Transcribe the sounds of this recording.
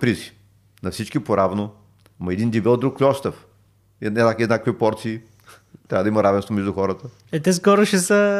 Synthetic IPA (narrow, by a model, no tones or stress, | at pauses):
pɾizi | nɐfsit͡ʃkipoɾavno | mɐɛd̪ind̪ʲibɛlˠd̪ɾuklʲɔst̪əf | nɛnakiznakəkvipɔɾt̪siː | t̪ɾavəd̪imɐɾavɛnst̪vomɛʒd̪uxɔɾət̪ə | ɛt̪ɛs̬kɔɾʊʃɛsə